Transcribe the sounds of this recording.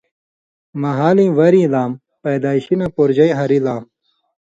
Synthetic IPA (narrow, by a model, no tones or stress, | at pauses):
mɐɦaːlĩːwɐɾĩːlaːm | pɐjd̪aːiɕinɐpoɾd͡ʑɐj̃ɦɐɾilaːm